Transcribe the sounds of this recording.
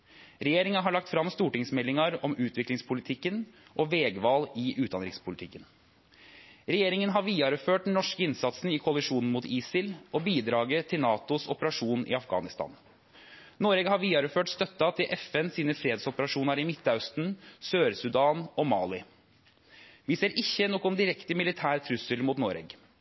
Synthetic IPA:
ɾɛjeːɾɪŋɑɦɑɭɑk̚t̪fɾɑmst̪uːʈɪŋsmɛlːɪŋɑɾɔmʉːt̪ʰʋɪklɪŋspʰʊlɪt̪ʰɪkːənʔɔʋeːɡəʋɑːlɪʔʉːt̪d̪ɑnəɾɪkspʰʊlɪt̪ʰɪkːən | ɾɛjeːɾɪŋənɦɑɾʋiːdɑɾəføːʈ̚ɖɛn̩nɔʂkəɪnsɑt̪sn̩ɪkʰʊɑlɪʂuːnn̩muːt̪ʰiːsɪlɔbiːd̪ɾɑːɡət̪ʰɪlnɑːt̪ʊsɔpəɾɑʂuːnʔɪ̰ɑfɡɑ̰ːnɪst̪ʰɑ̰ːn | noːɾeɡhɑɾʋiːd̪ɑɾəføːʈst̪œt̪ːɑt̪ʰɪlʔɛfɛnsiːnəfɾeːd̪sɔpəɾɑʂuːnɑɾɪmɪt̪ːɑʉst̪n̩søːɾsʉd̪ɑːnɔmɑːlɪ | ʋɪseːɾɪçːənɔkːɔɔmd̪ɪɾɛkt̪əmɪlɪt̪ʰæːɾt̪ʰɾʉsəlmuːt̪noːɾɛ̰ɡ

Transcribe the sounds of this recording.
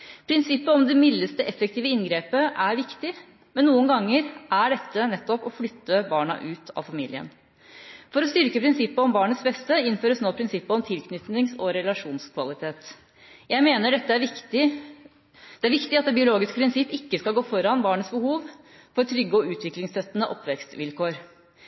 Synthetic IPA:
pʰɾɪnsɪpːəɔmd̪ɛmɪlːəst̪əʔɛfɛk̚t̪ʰiːʋəɪnɡɾeːpəʔæɾʋɪkt̪ɪ | mɛnːuːənɡɑŋːəɾʔæɖɛt̪ːənɛt̪ːɔpɔflʏt̪ːəbɑːɳɑ̰ʔʉːt̪ʰɑ̰ʋfɑmiːlɪə̰n | fɔɾɔst̪ʏɾkəpʰɾɪnsɪpːəɔmbɑːɳəsbɛst̪əɪnføːɾəsnoːpʰɾɪnsɪpːəɔmt̪ʰɪlknʏt̪nɪŋsɔɾɛlɑʂuːnskʰʋɑ̰lɪt̪ʰeːt̪ | jæɪmeːnəɖɛt̪ːəæɪ | d̪̥ɛæɾʋɪkt̪ɪɑt̪d̪ɛbɪʊloːɡɪskəpʰɾɪnsɪpːɪkːəskɑlɡoːfɔɾɑnbɑːɳət̪sbəhuːʋ | fɔɾt̪ʰɾʏɡːɔʉːt̪ʰʋɪklɪŋst̪œt̪ːənəʔɔpʰːʋɛkst̪ʋɪlkʰoːɾ

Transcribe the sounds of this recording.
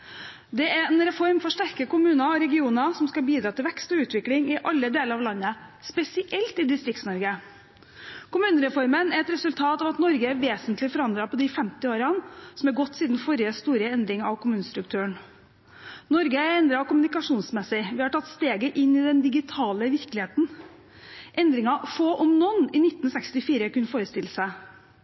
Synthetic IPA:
d̪ɛæɾɛnɾɛfɔɾmfɔʂʈæɾkəkʊmʉːnəɔɾɛɡɪuːnəsɔmskɑlbiːd̪ɾɑːt̪ɪlʋɛkst̪ɔʉːt̪ʋɪklɪŋɪʔɑlːəd̪eːləɾɑʋlɑnːəspɛsɪʔɛlt̪ɪd̪ɪst̪ɾɪkt̪snɔɾɡə | kʊmʉːnəɾɛfɔɾmənɛɾɛt̪ɾɛsʉlt̪ʰɑːt̪ɑʋɑt̪nɔɾɡəæɾʋeːsənt̪lɪfɔɾɑnd̪ɾɑpʰɔd̪ɪfɛmt̪ɪoːɾɑnsɔmæɾɡɔt̪ːsiːd̪n̩fɔɾɪəst̪uːɾəɛnd̪ɾɪŋɑʋkʰʊmʉːnəst̪ɾʉk̚t̪ʰʉːəɳ | nɔɾɡəæɾɛnd̪ɾɑɑkʊmʉnɪkɑʂuːnsmɛsɪʋɪhɑʈʰɑt̪ːst̪eːɡəʔɪnːɪd̪ɛnd̪ɪɡɪt̪ʰɑːləʋɪɾklɪheːt̪n̩ | ʔɛnd̪ɾɪŋɑfoːʔɔmnɔnːɪːnɪt̪ːn̩sɛkst̪ɪfiːɾəkʉnfoːɾəst̪ɪlːsə

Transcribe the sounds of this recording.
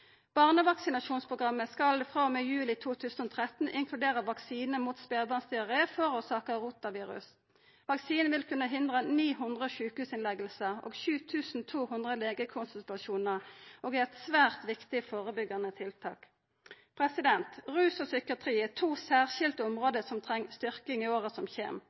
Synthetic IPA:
b̥ɑːʁnəʋɑksɪnɑʃuːnspʰʁʊɡʁɑmːəskɑlfʁoːmɛjʉːlɪt̪ʰuːt̪ʰʉːsn̩oːt̪ʰʁɛt̪n̩ʔɪŋkʰlʉd̪eːʁəʋɑksiːnəmuːt̪speːʁbɑːnst̪ʰɛʊʁɪəfɔʁoːsɑːkəʁuːt̪ɑʋiːʁʉ̰s | ʋɑksiːnʋɪlkʰʉnːəɦɪnd̪ʁəniːhʊnd̪ʁəʃʉːkhʉːsɪnlɛɡəlsəʁo̰ːɡɕʉːt̪ʰʉːsn̩t̪ʰuːhʊnd̪ʁəleːɡəkʰʊnst̪əlt̪ɑʃuːnəʁʔoːɡæɛt̪sʋæːʁt̪ʋɪkt̪ɪfoːʁəbʏɡɑnət̪ʰɪlt̪ʰɑ̰ːk | pʰʁɛsɪd̪ɛnt̪ʁʉːsɔsʏkɪɑt̪ʰʁiːɛt̪ʰuːsæːʁʃɪlt̪əɔmʁoːd̪əsɔmt̪ʰʁɛŋːst̪ʏʁkɪŋɪoːʁəsɔmçḛːm

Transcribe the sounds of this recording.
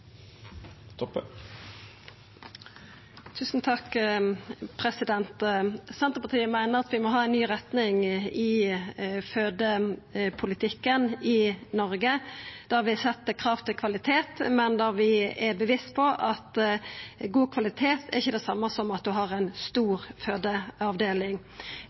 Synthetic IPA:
t̪ | t̪ʰʉːsn̩t̪ʰɑk | pʰɾɛsɪd̪ɛnt̪sɛnt̪ʁəpɑt̪ʰiːəmæɪnəʁɑt̪ʋɪmɔːɦɑːɛɪnnyːʁɛt̪nɪŋɪ | føːd̪əpʰʊlɪt̪ʰɪkːənɪnɔɾɡəd̪̥ɑɾʋɪsɛt̪ːəkʰʁɑːʋt̪ʰɪlkʰʋɑlɪt̪ʰeːt̪mɛnd̪æɾʋɪɛbəʋɪst̪̚pʰɔʔɑt̪ | ɡuːkʰʋɑlɪt̪ʰeːt̪ʰɛɾɪçːəd̪ɛsɑmːəsɔmːɑt̪̚d̪ʉɦɑʁɛnst̪uːɾføːd̪əɑʋd̪eːlɪŋ

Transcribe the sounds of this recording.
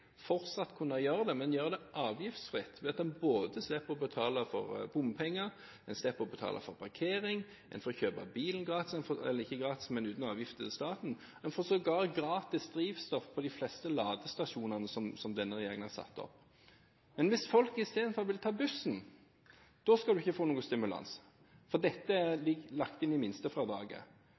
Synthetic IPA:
fɔɾt̪sɑt̪ːkʰʉnːɑjøːɾəd̪ɛmɛnjøːɾəd̪ɛʔɑːʋjɪft̪sfɾɪt̪ːʋɛɑt̪̚d̪ɛnboːd̪əslɛpːɔbət̪ʰɑːləɾfɔ̰ɾbʊmpʰɛŋːə | ɛnslɛpːəɔbət̪ʰɑ̰ːlə̰fɔɾpʰɑɾkʰeːɾɪŋ | ɛ̰nfɔɾɔçøːbɑbiːln̩ɡʁɑːt̪ɪ̥sɛnɔɛ̰ləɾɪçːəɡɾɑːt̪ɪ̥smɛnʉːt̪nɔɑːʋjɪft̪əd̪ɪst̪ɑːt̪n̩ | ɛnfɔɾɔsɔɡɑːɾɡɾɑːt̪ɪsd̪ɾiːʋst̪ɔfpʰɔd̪ɪflɛst̪əlɑːd̪əst̪ɑʂuːnɑʁnəsɔmsɔmd̪ɛnːəɾɛjeːɾɪŋənæsɑ̰t̪ːɔ̰pː | mɛnʋɪsfɔlkɪɪst̪eːd̪nfɔɾʋɪlt̪ʰɑːbʉsːn̩ | d̪̥ɔskɑld̪ʉɪçːəfoːnuːɡʊst̪ɪmʉlɑ̰ns | fɔʁd̪ɛt̪ːəæɾlɪɡlɑkt̪ɪnɪmɪnst̪əfɾɑd̪ɑːɡə̰

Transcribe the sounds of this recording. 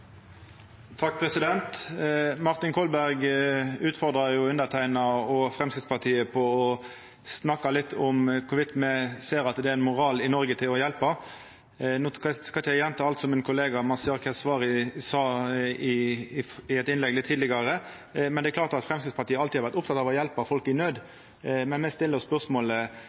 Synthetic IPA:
t̪ʰɑk̚ːpʰɾɛsɪd̪ɛnt̪mɑʁt̪ɪnkʰɔlbæɾɡʉːt̪fɔʁd̪ɾɑɾjʊʉnd̪ət̪ʰæɪnɑɔfɾʁɛmskɾɪt̪spɑʁt̪ʰiːəpʰɔɔ | snɑkːɑlɪt̪ʰːʊmkʰʊʋɪt̪ːmɛseːɾɑt̪d̪ɛæɪnmʊɾɑːlɪnɔɾɡət̪ʰɪlɔjɛlpɑ | noːskɑəæjɛnt̪ʰɑːɑlt̪sɔmɪnkʰʊleːɡɑmɑʁsɪɑɾkʰɛt̪sʋɑːɾɪsɑːɪ | ɪɛt̪ɪnɛɡlɪt̪ʰːiːd̪lɪɡɑɾə | mɛnd̪ɛklɑːɾt̪ɑt̪fʁɛmskɾɪt̪spʰɑɾt̪iːəɑlɪːhɑɾʋæɾt̪ʊpt̪ʰɑt̪ːɑːʋɔjɛlpɑfɔlkɪnøːd̪ | mɛnmɛst̪ɪlːəɔspœʁsmoːlə

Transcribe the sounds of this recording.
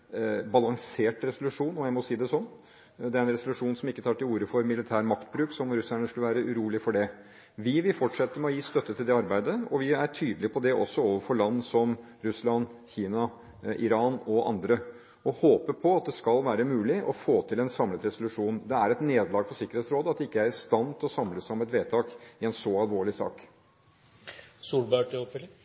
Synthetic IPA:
bɑlɑŋseːʈɾɛsʊlʉʂuːnɔjæɪmɔsiːd̪ɛsɔnː | d̪ɛæɾɛnɾɛsʊlʉʂuːnsɔmɪkːət̪ʰɑːʈɪuːɾəfɔɾmɪlɪt̪ʰæːɾmɑkt̪bɾʉːksɔmɾʉsæɳəskʉləʋæːɾəʔʉɾuːlɪfɔɖɛ | ʋɪʋɪlfɔʈʂɛt̪ːəmɛɔjiːst̪œt̪ːət̪ʰɪld̪ɛɑɾbæɪd̪əɔʋɪæʈʰyːd̪lɪpʰɔd̪ɛʔɔsːɔoːʋəɾfɔɭɑnːsɔm | ɾʉslɑnçiːnɑ | ʔɪɾɑːnɔʔɑ̰nd̪ɾə | ɔhoːpəpʰɔɑt̪̚d̪ɛskɑlʋæːɾəmʉːlɪʔɔfoːt̪ʰɪlɛnsɑmlət̪ɾɛsʊlʉʂuːnd̪ɛæɾɛt̪neːd̪lɑːɡfɔʂɪkːəɾheːt̪sɾoːd̪ɑt̪̚d̪ɛɪkːəæɾɪst̪ɑnt̪ʰɔsɑmləsɛɔmɛt̪ʋeːt̪ʰɑːkɪɛnsɔɑlʋoːɭɪsɑ̰ːk | suːlbɑʈ

